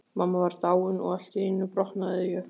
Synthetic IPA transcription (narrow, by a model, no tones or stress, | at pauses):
mamːavaɾt̪aːwʏnɔ̰ɣal̥t̪ɪnːʏpɾɔhnaðɪjɛ